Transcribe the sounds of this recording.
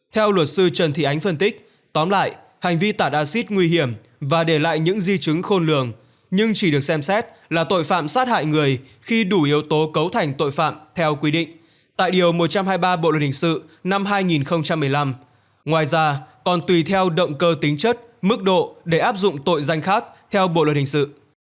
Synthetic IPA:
t̪ʰɛ˧wlwə˨˩t̚sɨ˧t͡ɕə˨˩nt̪ʰḭ˧˨ʔa˨˦jŋ̟fə˧nt̪ï˦˥k̟̚ | t̪ɔ˨˦nmla̰ː˧˨j | ha˨˩jŋ̟vi˧t̪aː˧˩t̚ʔaː˧si˦˥t̚ŋwi˧ɦi˧˩əm | vaː˨˩ɗe˧˩la̰ː˧˨jɲɨ̰˧˥ŋzi˧t͡ɕɨ˨˦ŋxo˧nlɨ̰˧˩əŋ | ɲɨ˧ŋt͡ɕi˧˩ɗɨ˨˩ək̚sɛ˧msɛ˦˥t̚ | laː˨˩t̪o̰˧˨jfa̰ː˧˨msaː˦˥t̚ha̰ː˧˨jŋɨ˨˩əj | xi˧ɗu˧˩ʔi˨˦əwt̪o˨˦kə˨˦wt̪ʰa˨˩jŋ̟t̪o̰˧˨jfa̰ː˧˨mt̪ʰɛ˧wkwi˧ɗḭ˧˨ŋ̟ | t̪a̰ː˧˨jɗi˨˩əwmo˨˩t̚t͡ɕa˧mhaː˧jɓaː˧ɓo̰˧˨lə˨˩nhʰï˨˩ŋsɨ̰˧˨na˧mɦaː˧jŋi˨˩nxə˧wŋ͡mt͡ɕa˧mːɨ˨˩əjla˧m | ŋwaː˨˩jzaː˧kɔ˨˩nt̪wi˨˩t̪ʰɛ˧wɗə̰˧˨wŋ͡mkəː˧t̪ï˨˦ŋ̟t͡ɕə˦˥t̚mɨ˦˥k̚ɗo̰˧˨ɗe˧˩ʔaː˦˥p̚zʊ̰˧˨ŋ͡mt̪o̰˧˨jza˧jŋ̟xaː˦˥k̚t̪ʰɛ˧wɓo̰˧˨lwə˨˩n̚hï˨˩ŋsɨ̰˧˨

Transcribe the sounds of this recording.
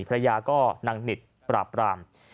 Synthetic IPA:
pʰɾa˧jaː˧kɔː˥˩na˧ŋni˨˩t̪̚ | pɾa̰ː˨˩pːɾaː˧m

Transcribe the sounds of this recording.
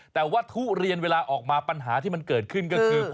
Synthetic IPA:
t̪ɛː˨˩wa˦˥˩t̪ʰu˦˥ɾi˧ənweː˧laː˧ʔɔː˨˩k̚maː˧pa˧nɦaː˩˦t̪ʰiː˥˩ma˧nkɤː˨˩t̪̚kʰɯ˥˩nkɔː˥˩kːʰɯː˧

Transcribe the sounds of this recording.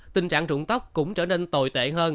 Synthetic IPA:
t̪ï˨˩ŋ̟t͡ɕa̰ː˧˨ŋzʊ̰˧˨ŋ͡mt̪ə˦˥wk͡p̚kʊ̰˧˥ŋ͡mt͡ɕəː˧˩ne˧nt̪o˨˩jt̪ḛ˧˨ɦəː˧n

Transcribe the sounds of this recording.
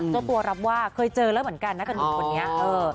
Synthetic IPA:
t͡ɕa˧˩t̪u˧ɐɾa˦˥p̚waː˥˩kʰɤː˧jt͡ɕɤː˧lɛː˦˥wmɯ˩˦nka˧nːa˦˥ka˧no˨˩˦kʰa˨˧˩nːi˦˥ɐʔɤː˧

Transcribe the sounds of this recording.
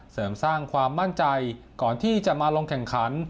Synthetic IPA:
sɤː˩˦msaː˥˩ŋkʰwaː˧mːa˥˩nt͡ɕa˧j | kɔː˨˩nt̪ʰiː˥˩t͡ɕa˨˩ʔmaː˧loː˧ŋkʰɛ˨˩ŋkʰa˩˦n

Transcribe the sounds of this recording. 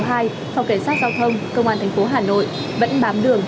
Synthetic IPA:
ɦaː˧j | sa˧wke˧˩saː˦˥t̚zaː˧wt̪ʰə˧wŋ͡mkə˧wŋ͡mʔaː˧nt̪ʰɛ˨˩jŋ̟fo˨˦ɦaː˨˩no̰˧˨j | və̰˧˥nɓaː˨˦mɗɨ˨˩əŋ

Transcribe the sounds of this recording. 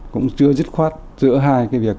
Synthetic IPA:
kʊ̰˧˥ŋ͡mt͡ɕɨ˧əzɨ˦˥t̚xwaː˦˥t̚z̥ɨ̰˧˥əɦaː˧jkaː˨˦jvi˨˩ək̚

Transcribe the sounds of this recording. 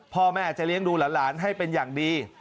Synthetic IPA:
pʰɔː˧mɛː˥˩ʔa˨˩t͡ɕa˨˩li˦˥əŋduː˧laː˩˦nlaː˩˦nɦa˥˩jpe˧njaː˨˩ŋdiː˧

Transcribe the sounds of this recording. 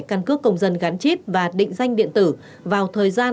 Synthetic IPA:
kaː˧˩nkɨ˦˥əkːə˧wŋ͡mzə˨˩nɣa˨˦nt͡ɕi˦˥p̚vaː˨˩ɗḭ˧˨ŋ̟za˧jŋ̟ɗḭ˧˨ənt̪ɨ˧˩ | vaː˨˩wt̪ʰəː˨˩jzaː˧

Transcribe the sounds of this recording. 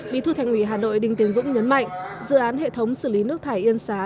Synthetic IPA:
ɓḭ˧˥t̪ʰu˧t̪ʰa˧˩jŋ̟ʔwi˧˩ɦaː˨˩no̰˧˨jɗï˧ŋt̪i˨˦ənzʊ̰˧˥ŋ͡mɲə˨˦nma̰˧˨jŋ̟zɨ̰˧˨ʔaː˨˦nɦḛ˧˨t̪ʰə˨˦wŋ͡msɨ˧˩li˨˦nɨ˦˥ək̚t̪ʰaː˧˩jʔi˧ənsaː˨˦

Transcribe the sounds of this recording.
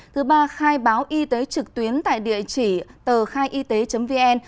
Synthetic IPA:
t̪ʰɨ˨˦ɓaː˧xaː˧jɓaː˨˦wʔi˧t̪e˨˦t͡ɕɨ˨˩k̚t̪wi˨˦ənt̪a̰ː˧˨jɗḭ˧˨ət͡ɕi˧˩t̪əː˨˩xaː˧jʔi˧t̪e˨˦t͡ɕə˨˦mvi˧ʔɛ˧n

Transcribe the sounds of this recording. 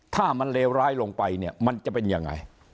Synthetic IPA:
t̪ʰaː˥˩ma˧nleː˧wɾaː˦˥jlo˧ŋpa˧jni˥˩ɐma˧nt͡ɕa˨˩pe˧njaː˧˩ŋːa̰˧j

